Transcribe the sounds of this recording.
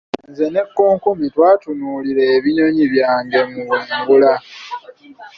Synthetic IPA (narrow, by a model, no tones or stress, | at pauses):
nzene̞kːo̞ːŋkomitwaːtunuːliɾeːβiɲo̞ɲiβjaːɲɡe̞muweːŋɡula